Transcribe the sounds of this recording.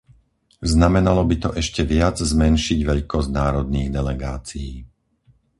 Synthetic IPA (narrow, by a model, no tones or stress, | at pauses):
znamɛnalɔbit̪ɔʔɛʃcɛʋɪad͡zzmɛnʃiɟʋɛʎkɔznaːɾɔd̪̚niːɣd̪ɛlɛɡaːt͡sijiː